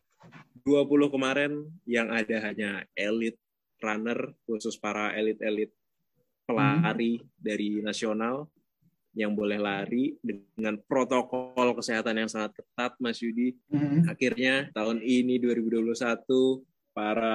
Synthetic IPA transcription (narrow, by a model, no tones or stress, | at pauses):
duapulʊhkəmaɾɛnjaŋadaɦaɲaelɪt̪̚ | ranərkusʊspaɾaʔelɪt̪̚elɪt̪̚ | pəlaɾidaɾinasional | jaŋbolɛhlaɾidəŋanpɾot̪okɔlkəseɦat̪anjaŋsaŋat̪̚kə̥t̪at̪̚masudiakirɲat̪aʊniniduaɾibuduapulʊhsat̪u | paɾa